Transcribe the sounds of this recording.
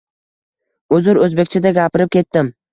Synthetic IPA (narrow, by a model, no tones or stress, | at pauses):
ɵzʊɾɵzbe̞kʲt͡ʃʰɪd̪aɡʲapʰɪɾɪp̚kʲʰe̞t̪ːɪm